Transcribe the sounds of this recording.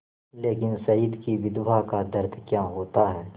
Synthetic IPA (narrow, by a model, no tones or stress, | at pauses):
leːkɪnsɐid̪kiʋɪd̪ʋakad̪ɐɾd̪ʱkjãːɦoːt̪aɦɛː